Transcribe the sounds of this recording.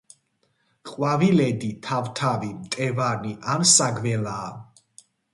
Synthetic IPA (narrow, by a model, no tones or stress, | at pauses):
qʼwavilɛd̪it̪ʰavt̪ʰavimt̪ʼɛvaɾniʔamsaɡvɛlaː